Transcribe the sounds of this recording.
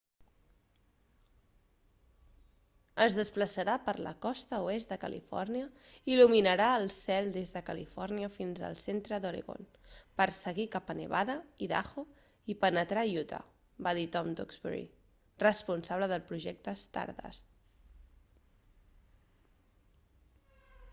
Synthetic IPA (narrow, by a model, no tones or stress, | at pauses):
əzðəspləsəɾapəɾlə̰kɔst̪əuest̪d̪əkəlʔḭfɔ̰rniəiluminəɾaəlˠsɛlˠd̪ezðəkəlḭfɔrniəfinzə̰lˠsent̪ɾəðuɾḛɣo̰n | pəɾsəɣikapənə̰βaðəiða̰xo | ipənət̪ɾajut̪a̰ | baðit̪ɔmd̪ɔ̰kzβə̰ɾḭ | rəspunsaβ̞ləðəlˠpɾuʒɛk̚t̪əːst̪a̰ɾða̰s